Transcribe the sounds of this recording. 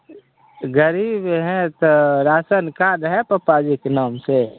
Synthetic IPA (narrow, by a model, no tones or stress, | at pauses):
ɡəɾibɦɛ̃t̪oɾaːsənkaɾɦɛpəpaːd͡ʒiknaːmse